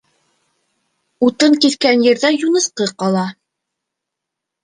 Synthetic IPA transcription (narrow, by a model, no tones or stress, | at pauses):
ut̪ɤŋkiθkænjɘ̆ɾðæjunɤ̆sqɤqɑlˠɑ